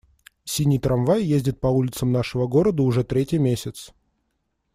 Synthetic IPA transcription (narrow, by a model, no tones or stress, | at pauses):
sʲinʲijt̪ɾɐmvajjezʲdʲɪt̪̚pɐulʲɪt̪səmnaʂɨvəɡo̞ɾəd̪əʊʐɛt̪ɾʲetʲɪjmʲesʲɪt̪s